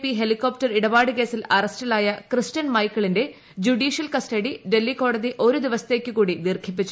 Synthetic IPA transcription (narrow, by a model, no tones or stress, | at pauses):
piɦelikːoːptɐriɽɐbaːɽɨke̞ːsilɐrɐstɐlaːjɐkrɨstɐnmɐjkːɐɭinde̞ | d͡ʑuɖiːʂijɐlkɐsʈɐɽiɖe̞lːiko̞ːɽɐðiʔo̞ɾud̪iʋɐsɐ̥t̪e̞ːkʲːɨkuːɽid̪irkʰip̬ːit͡ɕːu